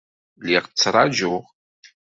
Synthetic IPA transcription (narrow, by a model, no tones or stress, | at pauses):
liʁt͡sːɾˤɑʒʊʁ